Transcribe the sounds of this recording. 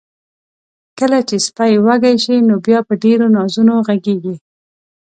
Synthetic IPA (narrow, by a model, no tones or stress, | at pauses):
kəlat͡ʃespajwaɡajʃinobjɑpəɖeɾonɑzunoɣaɡeɡi